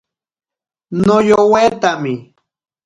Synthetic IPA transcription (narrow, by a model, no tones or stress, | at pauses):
nojoweːt̪amɪ